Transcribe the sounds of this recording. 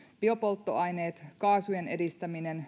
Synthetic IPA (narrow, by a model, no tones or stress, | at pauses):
pio̞po̞lt̪ːoɑjne̞ːt̪kɑːsujene̞dist̪æmine̞n